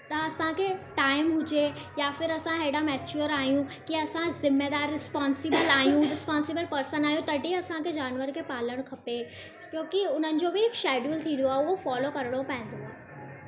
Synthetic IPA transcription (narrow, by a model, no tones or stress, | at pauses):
t̪ɐɐsãkʰeʈaːɪmɦʊd͡ʑejaːfɪɾɐsãɦeɽamɛːt͡ɕuːəɾaːɦijũkiɐsãzɪmːed̪aːɾːɪspaːnsɪbəlaːɦijũɾɪspaːnsɪbəlpɐɾsənaːɦijũt̪ɐɖʱiɐsãkʰed͡ʑaːnʋəɾkʰeːpaːləɽ̃kʰɐpe | kjõːkiʊn̤ənɪ̆d͡ʑobɪɦɪkʃɛːɖuːlt̪ʰĩːnd̪oaːɦeʊɦofaːlokɐɾəɽ̃opɐ̃ɦɪ̃n̆d̪oaːɦe